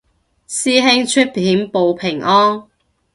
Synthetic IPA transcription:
siː˥ɦɪ˥ŋt͡ʃʰɵ˥t̚pʰiː˨˥mpo˨wpʰɪ˨˩ŋʔɔː˥n

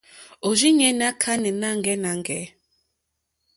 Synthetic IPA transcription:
o˨d͡ʒi˦ɲɛ˦n˦a˦kʰa˦nɛ˨na˦ŋ˨ɡɛ˦na˨ŋ˨ɡɛ˨˦

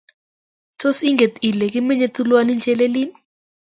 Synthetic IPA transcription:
tʰo˦si˦ŋɡɛ˨ti˨lɛ˨k̬i˦mɛ˦ɲɛ˦tʰʼu˦lwa˦ni˦nd͡ʒʱɛ˦le˦liː˦ni

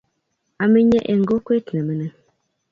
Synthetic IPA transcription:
a˨mə˦ɲɛ˦ʔe˨ŋ̩˨ɡo˦kʷe˦tnə˨mə˨nə˨

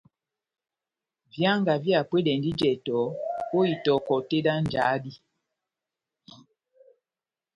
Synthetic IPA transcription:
vja˦ŋɡa˨vja˨pwe˦dɛ˨ndi˦d͡ʒɛ˨tɔ˨˦ko˦i˨tɔ˨kɔ˨te˦da˦n˨d͡ʒa˨˦di˦

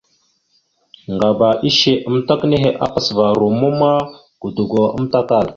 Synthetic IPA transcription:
ŋɡa˨ba˨ʔi˦ʃe˨ə˦mta˦kne˦ɦe˨ʔa˦pə˨sva˨ɾu˨mu˦ma˦ | ɡ̥u˨du˨ɡo˨ə̰˦mta˦ka˦˨l

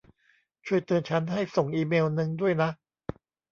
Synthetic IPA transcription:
t͡ɕʰu˥˩əjt̪ɤː˧nt͡ɕʰa˦˥nɦa˥˩jso˨˩ŋʔiː˧meː˧wnɯ˧ŋdu˥˩əjna˦˥ʔ

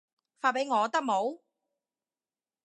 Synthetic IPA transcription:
faː˧˩pe˨˥jŋɔː˨˧t̪ɐ˥k̚mo˨˥w

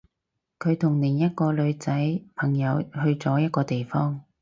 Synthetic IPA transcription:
kʰɵ˨˧ɥt̪ʰʊ˨˩ŋliː˨˩njɐ˥t̚kɔː˧lɵ˨˧ɥt͡sɐ˨˥jpʰɐ˨˩ŋjɐ˨˧whɵ˧ɥt͡sɔː˨˥jɐ˥t̚kɔː˧t̪e˨jfɔː˥ŋ

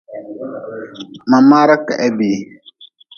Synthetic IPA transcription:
ma˨ma˦ɾə˦kɛ˨ʔɛ˦bi˨

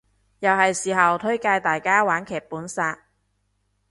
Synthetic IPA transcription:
jɐ˨whɐ˨jsiː˨˩ɦɐ˨wt̪ʰɵ˥ɥkaː˧jt̪aː˨jkaː˥waː˨˥nkʰɛː˨˩k̚puː˨˥nsaː˧k̚

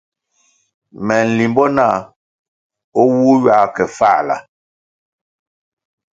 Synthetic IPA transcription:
mɛ˨n̩˨li˨mbɔ˦naː˦˨ | o˦wuː˦ɥa˦kɛ˨fa˦˨la̰˨

